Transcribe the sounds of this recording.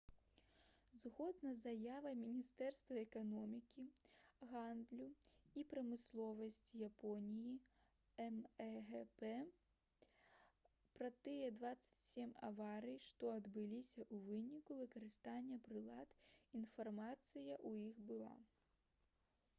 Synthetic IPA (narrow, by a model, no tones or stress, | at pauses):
zɣɔd̪nɐzajavɐmʲinʲist̪ɛrst̪vɐɛkanɔmʲikʲiɣand̪lʲuipɾɐmɨslˠɔvɐsʲt͡sʲjapɔnʲiji | ɛmɣɛpɛ | pɾɐt̪ɨjɛd̪vat̪sːɐ̥t͡sʲsʲemʲa̰vaɾɨjʂt̪ɔɐd̪bɨlʲisʲɐʔuvɨnʲikuvɨkɐɾɨst̪anʲːɐpɾɨlˠat̪infarmat̪sɨjɐʔujixbɨlˠa̰